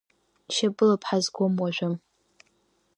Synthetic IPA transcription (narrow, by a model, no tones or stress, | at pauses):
ʃɐbʼɨlapʰħazɡʷʊmwaʒʷᶣʊm